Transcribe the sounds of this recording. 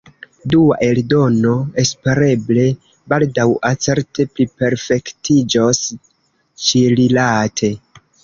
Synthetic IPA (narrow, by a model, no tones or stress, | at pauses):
dua̰ʔe̞ldo̞no̞e̞spe̞ɾe̞ble̞ | baldawat͡se̞ɾte̞plipe̞ɾfe̞ktid͡ʒos | t͡ʃiɾilatʰe̞